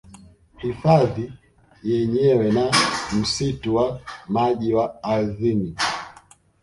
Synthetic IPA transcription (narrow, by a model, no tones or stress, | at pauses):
hifaði | jɛɲɛwɛnam̩situwamaʄiwaːzini